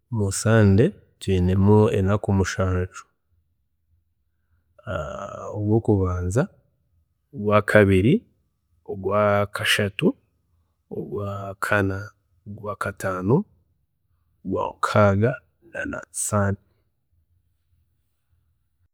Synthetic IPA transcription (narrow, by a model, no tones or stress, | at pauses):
musaːnde̞ | twiːne̞muḛnakumuʃaːɲt͡ʃu̥ | aoɡwo̞ːkuβaːnza | oɡwaːkʰaβiɾi | oɡwaːkʰaʃatu | o̰ɡwaːkʰana | oɡwaːkataːno | ɡwa̰ːkʰaːɡa | na̰na̰saːni